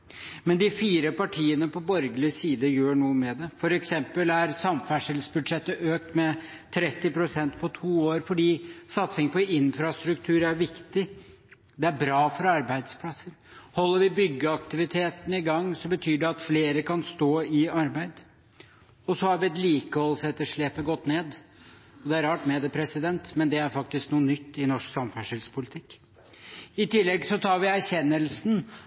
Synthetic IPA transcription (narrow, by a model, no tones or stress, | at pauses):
mɛnd̪ɪfiːɾəpɑʈʰiːənəpɔbɔɾɡəlɪsiːd̪əjøːɳuːəmɛd̪ɛfɔɾɛksɛmpəlæɾsɑmfæʂəlsbʉd̪ʂɛt̪ːəʔøːk̚t̪mɛ | t̪ʰɾɛt̪ːɪpɾʊsɛnt̪pʰɔt̪ʰuːoːɾfɔɖiːsɑt̪sɪŋpʰɔɪnfɾɑst̪ɾʉkt̪ʰʉːɾæɾʋɪkt̪ɪ | d̪ɛæɾbɾɑːfɔɾɑɾbæɪd̪spʰlɑsːəɾ | hɔlːəɾʋɪbʏɡːəɑkt̪ɪʋɪt̪ʰeːt̪ənəɪɡɑŋːsɔmbət̪ʰyːɖɛɑt̪fleːɾəkɑnst̪oːɪɑɾbæɪd̪ | ɔsɔhɑɾʋɪɛt̪liːkəhɔlsɛt̪ːəʂɭeːpːəɡɔt̪ːneːd̪ | ɔd̪ɛæɾɑːʈmɛd̪ɛpʰɾɛsɪd̪ɛnt̪mɛnd̪ɛæɾfɑk̚t̪ɪsknuːənʏt̪ːɪnɔʂksɑmfæʂəlspʰʊlɪt̪ʰɪkː | ɪt̪ɪlːɛɡsɔt̪ʰɑːɾʋɪæɾçɛnːəlsn̩